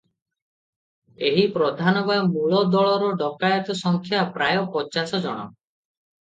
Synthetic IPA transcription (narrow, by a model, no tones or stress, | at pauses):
eɦipɾɔd̪ʱanɔbamuɭɔd̪ɔɭɔɾɔɖɔkajɔt̪ɔsɔŋkʰjapɾajɔpɔt͡ʃasɔd͡ʒɔɽ̃ɔ̰